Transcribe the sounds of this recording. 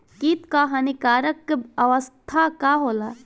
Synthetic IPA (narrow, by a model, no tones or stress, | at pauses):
kit̪kaɦanikaːɾəkɐʋəst̪ʰakaɦoːla